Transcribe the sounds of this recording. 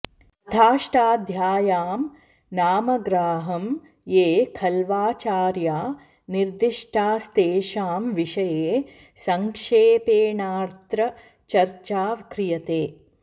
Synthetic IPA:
t̪ʰaːʂʈaːd̪ʱjaːjaːm | naːmɐɡɾaːɦɐm | jeːkʰɐlʋaːt͡ʃaːɾjaː | niɾd̪iʂʈʰaːst̪eːʃaːmʋiʂɐjeː | sɐŋkʂeːpeːnaːɾt̪ɾɐ | t͡ʃɐɾt͡ʃaːʋkɾijɐt̪eː

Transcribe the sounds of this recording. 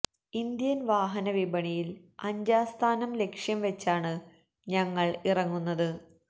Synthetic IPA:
ind̪jɐnʋaːɦɐnɐʋibɐɳijilɐɲd͡ʑaːst̪ʰaːnɐmle̞kʂjɐmʋet͡ɕːaːɳɨ | ɲɐŋːɐɭirɐŋːunːɐðɨ

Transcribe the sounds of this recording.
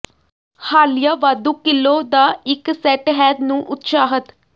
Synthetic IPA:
haːlɪjaːʋaːd̪uːkɪlːoːd̪aːɪksɛːʈɦɛːd̪nũːʔʊt̪ʃaːɦət̪

